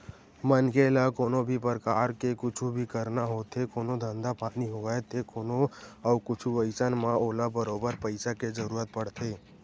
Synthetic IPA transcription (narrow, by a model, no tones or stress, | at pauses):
mənkelakoːnobʱipəɾkaːɾkekʊt͡ʃʰubʱikəɾnaɦoːt̪ʰekoːnod̪ʱə̃nd̪apaːniɦoɡaːet̪ʰekoːnoaʊkʊt͡ʃʰuʋəɪsənmãoːlabəɾoːbəɾpəɪsaked͡ʒəɾuːɾət̪̚pəɽ̤t̪ʰeː